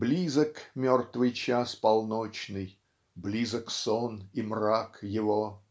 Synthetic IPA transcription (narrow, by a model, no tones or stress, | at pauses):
blʲizəkmʲort̪vɨjt͡ɕaspɐlˠnot͡ɕnɨj | blʲizəksonimrakjɪvo